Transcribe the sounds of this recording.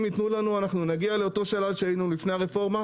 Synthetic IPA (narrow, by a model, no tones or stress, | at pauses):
mit̪nulanuanaχnunaɡiale̞o̞t̪o̞ʃalalʃeajinulifne̞jaʁefo̞ʁma